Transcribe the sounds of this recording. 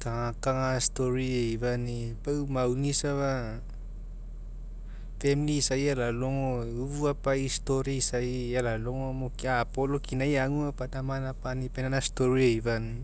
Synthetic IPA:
kaŋakaŋastoɾieiβanipamawnisaβa | femiliːsajalaloŋouβuapaisto̞ɾiisaialalo̞ŋomokiaːpo̞lokinajaŋuapadamanapanipenanasto̞ɾieiβan

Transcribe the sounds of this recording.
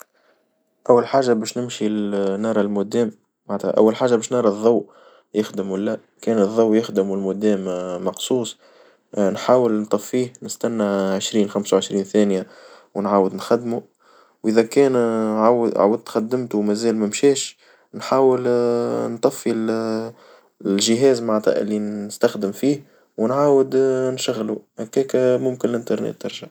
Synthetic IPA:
ʔæwːalħaːʒabɛːʃnɪmʃilnɑɾˤɑlmʊd̪ɛːm | maʕt̪hæ̰ʔæ̰wːalħaːʒabɛːʃnɑɾˤɑðˤːɑw | jɪxd̪əmwalːæ | kɛːnɨðˤːɑwjɪxd̪əmʊlmʊd̪ɛːmmːɑqsˤuːsˤ | nħaːwəlnt̪ˤɑfːiːhnɪst̪ænːaʕəʃɾiːnxamsawʕəʃɾiːnθæːnja | wnʕaːwəd̪nxad̪ːmu | wʔɪðækɛːnʕawʕa̰wəd̪̚t̪xad̪ːɪmt̪umæzæːlmæmʃɛːʃ | nħaːwəlnt̪ˤɑfːil | lʒɪɦɛːzmaʕt̪ˤɑ̰ʔɪ̰lːinɪst̪axd̪əmfiːh | wnʕaːwəd̪nʃaɣːluhakːɛːkmʊmkɪnlʔɪnt̪ɑɾˤnḛːt̪ːɪ̰ɾˤʒa

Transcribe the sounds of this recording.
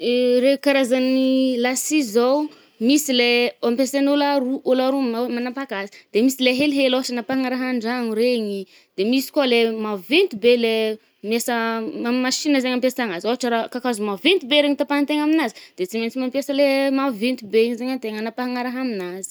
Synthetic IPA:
ɾekaɾazanilasizaw | misileampesenolaɾuʔolaɾuamanampakasi̥d̪̥emisileɦeliɦeloɦaʈ͡ʂənapaɦaŋaɾaɦaɳɖ͡ʐaŋuɾeɲi | d̪̥emisi̥kualemavent̪ubele | miasəmamaʃinəzaɲampjasaŋazoɦaʈ͡ʂəɾakakazumavent̪ubeɾeɲit̪apant̪eŋaminazid̪̥et͡siment͡simampjasəlemavent̪ubezeɲant̪eŋanapaɦaŋaɾaɦaminazi̥

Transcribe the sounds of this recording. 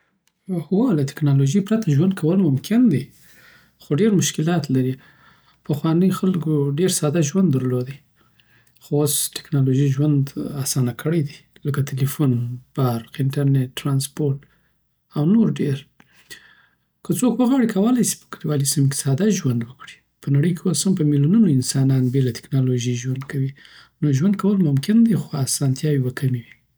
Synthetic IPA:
hwolat̪ɪ̥knɑloʒejpɾat̪aʒwand̪̚kʰawəlmʊmkʰɪnd̪i | xoɖeɾmʊʃkɪlɑt̪laɾi | pəxwɑnəjxalkoɖeɾsɑd̪aʒwand̪ːəɾlod̪i | xoosʈɪ̥knɑloʒiʒwand̪asɑnakʰəɽəjd̪iləkat̪ʰelifunb̥aɾqɪnʈaɾneʈːɾɑnspoɾʈ | awnoɾɖeɾ | kət͡sokwəɣwɑɽikʰawəlajsi̥pə̥kadiwalisimke̥sɑd̪aʒwand̪wəkɽi̥ | pənaɽəjkʰeoshampəmiljununoɪnsɑnɑnbelat̪ɪ̥knɑloʒiʒwand̪kʰawinoʒwand̪̚kawəlmʊmkɪnd̪exoasɑnt̪jɑwibakʰamiwi

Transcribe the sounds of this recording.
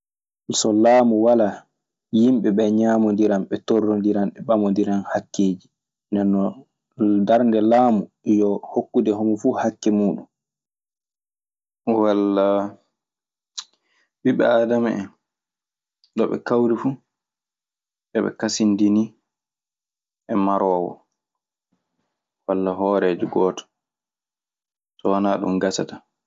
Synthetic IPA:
sɔlaːmuwala | jimɓɛɓɛɲaːmɔndiɾamɓɛtɔrːɔndiɾanɓɛɓamɔndiɾanhakːeːd͡ʒi | ndɛnːɔ | daɾndɛlaːmu | jɔhokːudɛɦɔmɔfuːhakːɛmuːɗum | walːa | ɓiɓɛ̰aːdama̰ɛn | ɗɔɓɛ̰kawɾifuː | ɗɛɓɛ̰kasindini | ʔɛmaɾɔːwɔ̰ | walːaɦɔːɾɛːd͡ʒiɡɔːtɔ̥ | tɔwanaːɗṵmɡasata

